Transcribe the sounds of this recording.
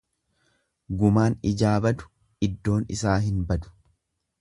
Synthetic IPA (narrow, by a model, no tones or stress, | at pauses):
ɡʊmaːnɪd͡ʒaːbɐd̪ʊ̥ | ɪd̪ːo̞ːnɪ̰saːɦɪnbɐd̪ʊ̥